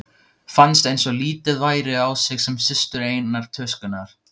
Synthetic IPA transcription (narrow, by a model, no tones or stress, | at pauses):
fanst̪ejnsɔɣliːt̪ɪðvaːjɾɪawsɪɣsɛmsɪst̪ʏɾeːjnaɾ̥t̪ʰœskʏnːaɾ̥